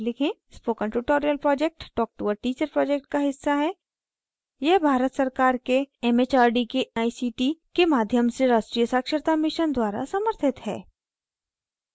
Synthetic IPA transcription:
lɪkʰẽspoːkə̃ɳʈuʈoːɾijəlpɾɔːd͡ʒek̚ʈːɔːk̚ʈuʋəɾʈiːt͡ʃəɾpɾɔːd͡ʒek̚ʈ̚kaɦɪsːaɦɛː | jɛɦbʱaːɾət̪sɐɾkaːɾkeɛmeːt͡ʃaːɾɖikeaːisiːʈikemaːd̪ʱjəmseɾaːʃʈɾijəsaːkʃəɾt̪amɪʃənd̪waːɾa̰sɐməɾt̪ʰɪt̪ɦɛ̰ː

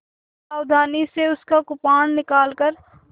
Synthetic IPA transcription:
aːwd̪ʱaːniseʊskakʊpaːnːɪkaːlkəɾ

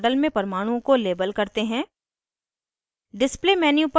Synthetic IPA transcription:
ɖəlmẽpɐɾmaːɽ̃ũkoleːbəlkɐɾt̪eɦɛ̃ː | ɖɪsplemɛːnjup

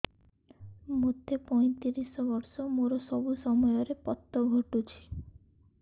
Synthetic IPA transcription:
mot̪epɔj̃t̪iɾisɔbɔɾsɔmoɾɔsɔbusɔmɔjɔɾepɔt̪ːɔɡʱoʈut͡ʃʰi̥

